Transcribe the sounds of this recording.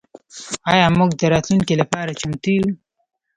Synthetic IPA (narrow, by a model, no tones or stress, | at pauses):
ɑjɑmuɡd̪əɾɑt̪luŋkilapɑːɾat͡ʃamt̪i